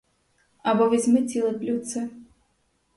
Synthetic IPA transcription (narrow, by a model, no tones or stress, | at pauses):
abɔvʲɛzʲmɨt͡sʲilˠɨplʲut̪sɨ